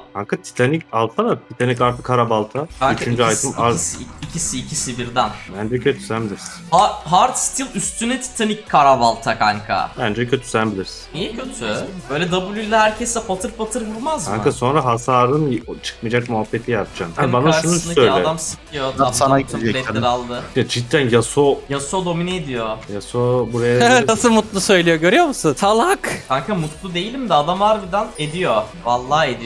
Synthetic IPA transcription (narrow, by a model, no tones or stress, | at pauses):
haŋkat̪ʰi̥t̪ʰanicalˠt̪ʰanat̪ʰit̪ʰanikaɾt̪ʰɯ̥kʰaɾabalˠt̪ʰaayt͡ʃʰynd͡ʒyaajt̪ʰɯmaicʰisiːcʰisibiɾd̪ænbænd͡ʒɛkʰø̞t̪ʰy̥sænbilʲiɾsi̥naɦaɾt̪st̪ʰilˠyst̪ʰynɛt̪ʰi̥t̪ʰanickʰːaɾabalˠt̪ʰakʰaŋkʰa̰bænd͡ʒɛcʰø̞t̪ʰy̥sænbilʲiɾsi̥nnijɛcʰøt̪ʰybø̞jlʲɛd̪abulʲilʲːɛɦæɾcʰesɛpʰat̪ʰɯɾpat̪ʰɯɾɡɯɾˠmazaŋkaso̞nɾaɦasaːɾɯnt͡ʃʰɯ̥k̚mid͡ʒakmuɦabːet̪ʰijat̪d͡ʒamabanaʃæunuaøjlaɛd̪amsɯkʰijot̪amsanaeɾalˠd̪ɯjad͡ʒit̪ʰːænjasojasod̪o̞minɛed̪ijo̞jasobuɾajanasɯmut̪lˠusø̞jlʲijo̞ɟø̞ɾyjo̞musunt̪ʰalˠakaŋkʰamut̪lˠud̪e̞jilʲimd̪ɛad̪amaɾd̪ɯd̪aned̪ijo̞valˠːaːed̪i